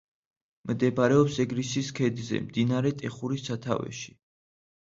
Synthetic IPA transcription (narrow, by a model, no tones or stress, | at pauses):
md̪ɛbɾɛɔpsɛɡɾisiskʰɛd̪zɛ̰md̪inaɾɛt̪ʼɛχuɾisat̪ʰa̰vɛ̰ʃi̥